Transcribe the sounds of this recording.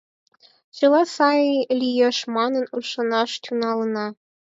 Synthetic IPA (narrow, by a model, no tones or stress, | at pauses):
t͡ɕɤ̆lɑsɑjilʲijeʃmɑnɤ̆nuʃɤ̆nɑʃt̪ʲunɑlɤ̆nɑ